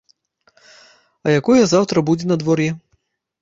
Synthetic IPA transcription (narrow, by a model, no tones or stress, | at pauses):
ɐjakɔjɐzawt̪ɾɐbud͡zʲɛnɐd̪vɔrjɛ